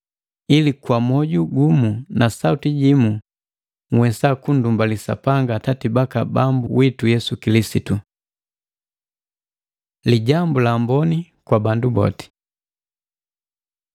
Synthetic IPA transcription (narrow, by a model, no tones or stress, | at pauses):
ilikwamɔɟuɡumunasautiɟimu | ŋwɛsakun̩dumbalisa̰paŋɡatatibaka̰bambuwitujɛsukilisitu | liɟambulaːmbɔni | kwabandubɔ̰ti̥